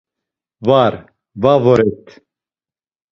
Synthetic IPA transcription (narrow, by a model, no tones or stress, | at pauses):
vaɾ | vaːvɔɾɛt̪